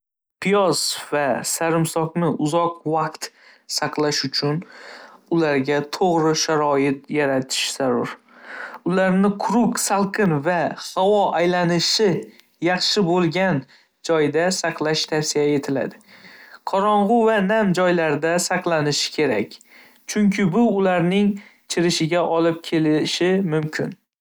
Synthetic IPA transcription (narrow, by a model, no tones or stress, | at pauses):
pʰijɒz̥vasaɾɪmsɒqnɪʔʊzɒqvɑqt̪ | sɑqlˠaʃʊt͡ʃʰʊnʊlaɾɡʲat̪ʰoʁɾɪʃaɾɒjɪt̪̚jaɾat̪ʰɪ̥ʃz̥aɾʊɾ | ʊlaɾnɪqʰʊɾʊksalˠqʰɨnvahawɒʔajlanɪʃɪ | jɑχʃɪbolˠɡʲan | d͡ʒɒjd̪asɑqʰlˠaʃt̪ʰafsijae̞t̪ʰɪla̰d̪ɪqʰɒɾɒɴʁʊvanamd͡ʒɒjlaɾd̪asɑqlˠanɪʃɪ̥kʲʰe̞ɾa̰kʲ | t͡ʃʰʊŋkʲʰɪbʊːlaɾnɪŋt͡ʃʰɪɾɪʃɪɡʲaʔɒlɪp̚kʲʰe̞lɪʃɪmʊmkʲʰɪ̰n